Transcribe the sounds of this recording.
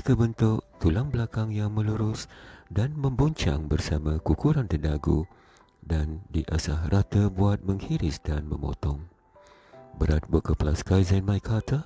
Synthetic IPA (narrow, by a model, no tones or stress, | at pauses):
kəbənt̪ʊʔt̪ulaŋbəlakaŋjaŋmə̃luɾʊsdanmə̃mbuɲt͡ʃa̰ŋbərsamãkukuɾant̪ərdaɡu | dandiʔasahrʔat̪əbuat̪̚mə̃ŋhiɾɪsdanmə̰̃mo̰t̪ɔŋ | bəɾat̪̚bəkəplaskajzɛnmajkʰat̪ʰə